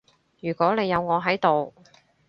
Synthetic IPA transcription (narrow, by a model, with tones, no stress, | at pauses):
jyː˨˩kʷɔː˨˥ne˨˧jɐ˨˧wŋɔː˨˧ɦɐ˨˥jt̪o˨w